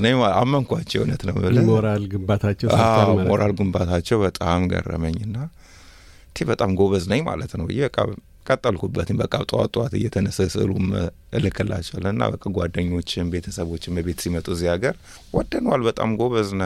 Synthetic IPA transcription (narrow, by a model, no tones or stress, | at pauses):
nəɲaamːəŋkʷat͡ʃːɛwɨnət̪nəwɨlɨoɾalɡɨmbat̪ʰat͡ʃːɛwammoɾʔalɡumbat̪ʰat͡ʃːɛwbət̪ʼamɡə̰rːə̰məɲːɨnːa | nt̪ʰebət̪ʼamɡo̞βəznəɲma̰lət̪nəwɨ̰jːɛbəkʼːa̰ | kʼət̪ʼːəlkʰubːət̪ʰɨnbəkʼːaβt̪ʼɨwa̰t̪ʼɨat̪ɨ̰jːɛt̪ʰənəsəsɨʔɨ̰lṵm | ʔɨlɨkʰːɨlʔa̰t͡ʃːɛwalːənɨnːa̰bəkʼːaɡʷwad̪ːəɲːo̞t͡ʃːɪnbe̞t̪ʰəsəβo̞t͡ʃːɪnbəβe̞t̪simət̪ʼuziaɡəɾ | wɔd̪ːənwalbət̪ʼa̰mɡoβəznə